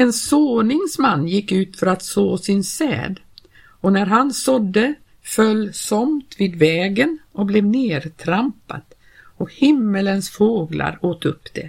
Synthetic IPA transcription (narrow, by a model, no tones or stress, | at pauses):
ɛnsoːnɪŋsmanːjɪkːʉ̟ːt̪fœɾat̪soːsɪnsɛ̰ːd̪ | ɔnæɾɦansɔd̪ːə | fœlːsɔmt̪viːd̪vɛːɡənɔk̚blɛvneːd̪t̪ʰɾampa̰t̪ | ɔkhɪmːələnsfoːɡla̰ɾoːt̪ɵpːd̪̥ɛ̰